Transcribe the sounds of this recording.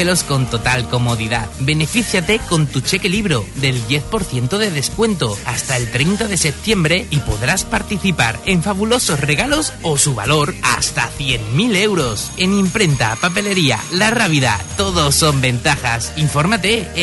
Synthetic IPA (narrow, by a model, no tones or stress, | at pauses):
elo̞sko̞nt̪o̞t̪alko̞mo̞ðiðabe̞ne̞fiθjat̪e̞ko̞nt̪ut͡ʃe̞keliβɾoðe̞ld̪je̞θpo̞ɾθje̞nt̪oðe̞ðeskwe̞nt̪o̞ast̪ae̞lt̪ɾe̞jnt̪aðe̞se̞p̚t̪je̞mbɾe̞ipo̞ðɾaspaɾt̪iθipa̰ɾe̞ɱfaβulo̞so̞sre̞ɣ̞alo̞sosuβa̰lo̞ɾa̰st̪a̰θje̞ŋmile̞wɾo̞se̞nĩmpɾe̞nt̪a̰pape̞le̞ɾia̰laraβiða̰t̪o̞ðo̞so̞mbe̞nt̪axasiɱfo̞ɾmat̪e̞